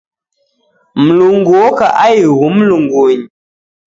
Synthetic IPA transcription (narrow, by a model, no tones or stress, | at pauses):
m̩luŋɡuoka̰ʔajɣum̩luŋɡoɲ